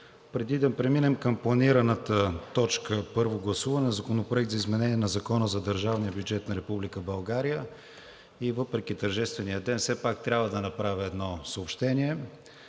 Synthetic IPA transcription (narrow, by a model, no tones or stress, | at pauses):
pɾɛd̪id̪ɐpɾɛminɛmkəmplˠɐniɾənət̪ət̪ɔt͡ʃkəpɤɾvoɡlˠɐsuvɐnɛzɐkonopɾʊɛk̚t̪zɐizmɛnɛniɛnɐzɐkɔnəzɐd̪əɾʒavnijəbjud͡ʒɛt̪nɐɾɛpublikəbɐlˠɡaɾijə | ivɤpɾɛk̟it̪əɾʒɛst̪vɛnijəd̪ɛnfsɛpak̚t̪ɾʲabvəd̪ɐnɐpɾavʲəɛd̪nɔsəopʃt̪ɛniɛ